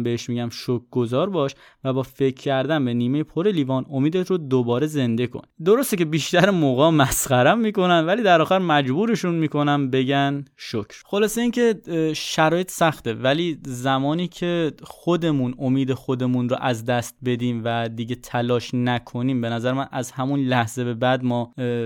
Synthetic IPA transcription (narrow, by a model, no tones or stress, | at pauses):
beeʃmiːɟæmʃok̚ʰɡozɒːɾbɒːʃ | væbɒːfe̞cʰcʰːæɾd̪ænbe̞niːmejepʰoɾe̞liːvɒːno̞miːd̪et̪ʰrod̪obɒːɾe̞ze̞nd̪e̞kʰo̰nd̪o̞ɾost̪ecʰe̞biːʃt̪æɾemoːɣɒːmæsxæɾæmːiːko̞nænvæliːd̪æɾɒːxæɾmæd͡ʒbuːɾe̞ʃunmiːko̞næmbe̞ɟænʃocʰɾ̥xo̞lɒːse̞iːncʰe̞ʃæɾɒːjet̪ʰsæxt̪e̞væliːzæmɒːniːcʰe̞xod̪e̞muno̞miːd̪e̞xod̪e̞munɾo̰ʔæzd̪æst̪̚be̞d̪iːmvæd̪iːɟe̞t̪ʰælɒːʃnækʰo̞niːmbe̞næzæɾemænʔæzhæmunlæhz̥e̞be̞bæd̪mɒː